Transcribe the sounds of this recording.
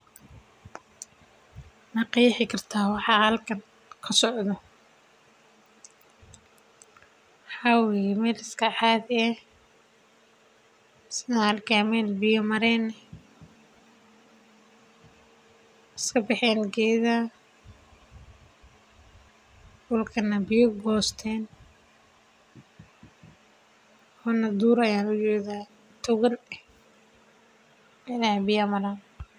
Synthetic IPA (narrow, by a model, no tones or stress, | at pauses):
nɐqiːħɪkʰɐrt̪ʰaːwɑħɑːhɐlkʰɐn | kʰɐsɔʕd̪ɔ | ħɑwimɛːlɪskʰaːħaːðɪɛ | snaːlɡaːmɛlbɪjɔmɐɾɛːnɛ | ɪskʰɐbɪħɛːlɡɛːðɐ | wʊlkʰɐnɐbɪjɔɡɔːst̪ʰɛːn | hɔnɐd̪uːɾɐjaːnʊd͡ʒɛːðaː | t̪ʰʊɣɐlɛ | mɪðɐhbɪjɐmɐɾaːn